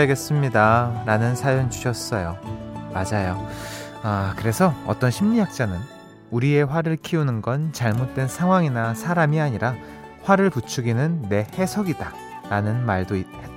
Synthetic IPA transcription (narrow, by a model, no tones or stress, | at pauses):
ɡe̞s͈ɯmɲidaɾanɯnsʰajoŋt͡ɕu̥ɕʰʌs͈ʌjomad͡ʑajo | akɯɾe̞sʰʌʌ̰t͈ʌnɕʰimɲijak̚t͡ɕ͈anɯn | uɾie̞ɸwaɾɯɭkʰiunɯnɡʌnt͡ɕaɭmot̚t͈we̞nsʰaŋɦwaŋinasʰaɾamiaɲiɾa | ɸwaɾɯɭput͡ɕʰuɡinɯnːe̞he̞sʰʌɡida | ɾanɯnmaɭdoit̚he